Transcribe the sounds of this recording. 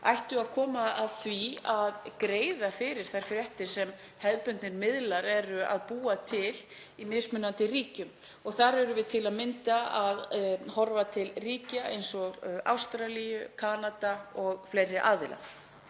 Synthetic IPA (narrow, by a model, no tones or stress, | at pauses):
ajht̪ʏaðkʰɔːmaaðθviaðkɾeːjðafɪɾɪɾ̥θajɾ̥fɾjɛht̪ɪ̥sɛm | hɛðpʏnt̪nɪɾmɪðlaɾɛɾʏa̰ðpuːat̪ʰɪl | imɪðsmʏnːant̪ɪriːcʏm | ɔɣθaɾɛɾʏvɪðt̪ʰɪlaðmɪnt̪aaðhɔɾvat̪ʰɪlriːcaʔḛjnsɔɣa̰wst̪ɾalijʏkʰaːnat̪aɔɣflejrːɪʔaːðɪla̰